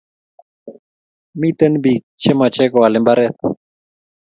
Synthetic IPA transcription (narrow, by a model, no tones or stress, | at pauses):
mit̪ənbi | t͡ɕʰemat͡ɕekoalembaɾe